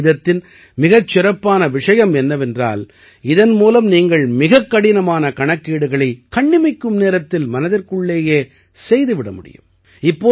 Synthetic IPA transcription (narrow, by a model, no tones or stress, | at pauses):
ðɐt̪ːɪn | mɪɣɐt͡ʃːɪɾɐpːaːnɐʋɪʂɐjɐmɛnːɐʋɛndra̰ːl | ɪðɐnmuːlɐmniːŋɡɐɭmɪɣɐkːɐɽɪnɐmaːnɐkɐɳɐkːiːɽɯɣɐɭɐɪkɐɳːɪmɐɪkːɯmneːɾɐt̪ːɪlmɐnɐðɪrkɯɭːeːjeː | sɛjðɯʋɪɽɐmʊɽɪ̰jɯ̰m | ɪpːoː